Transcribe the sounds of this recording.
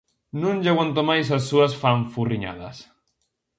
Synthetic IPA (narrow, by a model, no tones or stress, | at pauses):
nũnʎaɣwant̪omajs̬as̬ːuɐsfaɱfuriɲa̰ðɐ̰s